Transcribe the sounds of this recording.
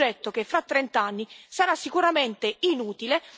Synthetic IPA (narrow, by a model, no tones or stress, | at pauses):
ɛt̪ːok̟efːɾat̪ːɾɛnt̪anːisaɾasːikuɾament̪einuːt̪ile